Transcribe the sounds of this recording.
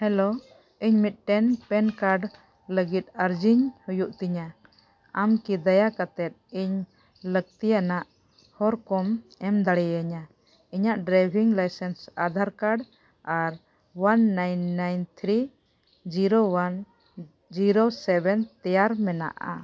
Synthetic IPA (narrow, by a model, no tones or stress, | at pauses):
hɛlo | iɲmit̪̚ʈɛnpɛnkaɾɖ | ləɡit̪̚əɾd͡ʒiɲhujuʔt̪iɲa | amkid̪ajakat̪ɛt̪̚iɲ | ləɡ̚t̪ijanaʔ | hɔɾkɔmɛmd̪aɽɛjaɲa | iɲaʔɖɾajbʱiŋlajsɛnsad̪ʱaɾkaɾɖ | aɾ | wanːajnːajnt̪ʰɾi | d͡ʒiɾowan | d͡ʒiɾosɛbɛnt̪ɛjaɾmɛna̰ʔa̰